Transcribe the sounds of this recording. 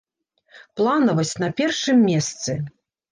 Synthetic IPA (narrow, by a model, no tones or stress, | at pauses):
plˠanɐvɐt͡sʲnɐpʲɛrʂɨmːʲɛst̪sɨ